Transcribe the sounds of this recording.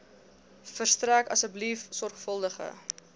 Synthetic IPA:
fərstrækɐsəblifsɔrχfəlˠdəχə̰

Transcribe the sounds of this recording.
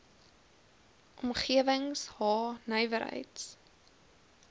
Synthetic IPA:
ʔɔmχiəvəŋshɑːnœjvəɾɦə̰jts

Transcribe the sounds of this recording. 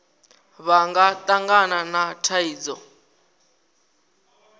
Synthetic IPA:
βaŋɡatʼaŋɡananatʰaiːd͡zɔ

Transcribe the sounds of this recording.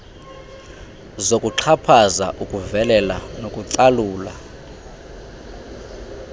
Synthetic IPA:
zokʼuǁʰapʰaza̰ʔukʼuvɛlɛlanokʼuǀaluːla̰

